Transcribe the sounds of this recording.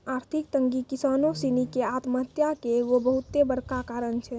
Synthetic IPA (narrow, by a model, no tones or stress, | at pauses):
aːɾt̪ʰikt̪əŋɡikisaːnosinikeat̪mət̪jakeʋobəɦut̪ːebəɾkakaːɾənt͡ʃʰɛ